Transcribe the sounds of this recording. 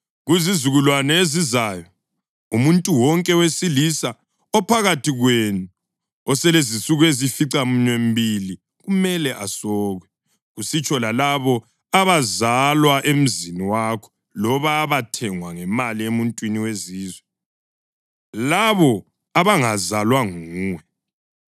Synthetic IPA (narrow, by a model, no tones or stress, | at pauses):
ɣuzizuɣulwanɛezizajɔ | umuntʼuwɔŋkʼɛwesilisa | ɔpʰaɣatʰiɣwenu | ɔsɛlezisuɣuezifiǀam̩ɲem̩bili | ɣumɛlɛʔa̰sɔːɣwɛ | ɣusit͡ʃʼʰɔlalaβɔ | aβazalwaʔem̩ziniwakʰɔ̥ | lɔβaːβatʰɛŋwaŋɛmaliemuntʼwiniweziːzwɛ | laβɔ | aβaŋazalwaŋuːŋwɛ